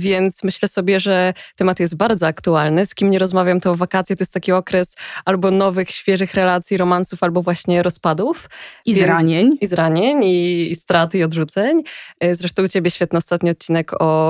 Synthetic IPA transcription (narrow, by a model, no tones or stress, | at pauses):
vʲjɛnt̪smɘɕlɛsɔbʲjɛʐɛt̪ɛmat̪jɛst̪̚baɾd̪zɔakt̪ualnɘskʲimɲɛɾɔzmavʲjamt̪ɔ̃vakat̪sjɛt̪ɔjɛst̪akʲiɔkɾɛsalbɔnɔvɘxɕfʲjɛʐɘxɾɛlat̪sʲjiɾɔmansufalbɔvwaɕɲɛɾɔspad̪ufivaɲeɲizɾaɲɛɲiːst̪ɾat̪ɘiɔd̪ʐut̪sɛɲzɾɛʂt̪ɔ̃t͡ɕebʲɛɕfʲɛt̪nɛɔst̪at̪ɲiɔt̪̚t͡ɕːinɛkɔ